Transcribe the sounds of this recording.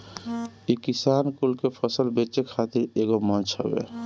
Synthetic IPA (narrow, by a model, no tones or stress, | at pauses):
ikisankulkepʰəsəlbet͡ʃekʰat̪iɾeɡomənt͡ʃʰɦəbḛ